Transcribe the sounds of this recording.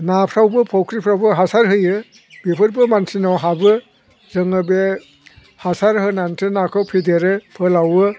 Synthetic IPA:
napʰɾawbɯpʰɔwkʰɾipʰɾawbɯɦasaɾɦɯjɯ | bepʰɯɾbɯmantʰinawɦabɯ | zɯŋɯbe | hasaɾhɯnantʰɯnakʰɯwpʰedeɾɯpʰɯlawɯ

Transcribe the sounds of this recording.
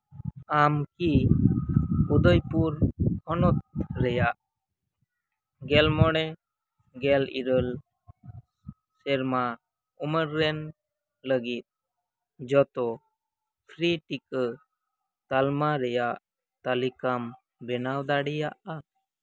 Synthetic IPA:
amki | ud̪ɔjpuɾhɔnɔt̪̚ɾɛjaʔ | ɡɛlmɔɽɛ | ɡɛlḭɾəl | sɛɾma | uməɾːɛn | ləɡit̪̚ | d͡ʒɔt̪ɔ | pʰɾiʈikə | t̪almaɾɛjaʔ | t̪alikam | bɛnawd̪aɽijaʔa

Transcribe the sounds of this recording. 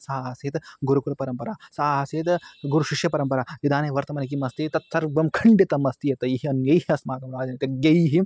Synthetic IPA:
saːɦɐseːt̪ɡuɾukuɾɐpɐɾɐmpɐɾaːsaːɦɐseːt̪ɡuɾuʃiʃjɐpɐɾɐmpɐɾaːʋid̪aːneːʋɐɾt̪ɐmɐnɐk̬imɐst̪iːt̪ɐt̪sɐɾbɐmkʰɐɳɖit̪ɐmɐst̪ijɐt̪ɐjiɦiɐnjɐjɦiɐsmaːɡɐmɾaːd͡ʒɐnɐk̪ɐɡɐjɦi

